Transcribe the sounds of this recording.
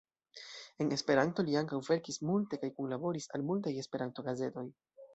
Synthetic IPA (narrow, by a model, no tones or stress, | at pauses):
e̞ne̞spe̞ɾanto̞liaŋkawve̞ɾkismulte̞kajkunlabo̞ɾisa̰lmultaje̞spe̞ɾanto̞ɡaze̞to̞j